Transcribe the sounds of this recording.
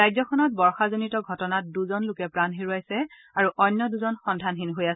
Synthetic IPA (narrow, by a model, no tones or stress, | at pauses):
ajzɔkʰɔnɔt̚bɔɹxazonitɔɡʱɔtɔnat̚duzɔnlʊkɛpɹanɦiɹuajsɛ | aɹuʔɔjnːɔduzɔnxɔndʱanɦinɦojasɛ